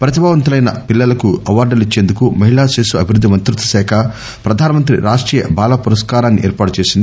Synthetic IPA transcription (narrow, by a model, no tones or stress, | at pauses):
pɾɐt̪̬ibaːʋɐnt̪̬ulɐjnɐ̰pilːɐlɐkuɐʋaːɾɖɐlit͡ʃːe̞ːnd̪ukumɐɦiɭaːseːsuɐbʱiɾud̪ʱːimɐnt̪ɾut̪ːɐ̥sɛːkʰɐ | pɾɐd̪ʱaːnɐmɐnt̪ɾḭɾaːʂʈɾiːjɐ̰baːlɐpuɾɐskaːɾaːnːiʔɛːɾpaːʈut͡ʃe̞ːsind̪i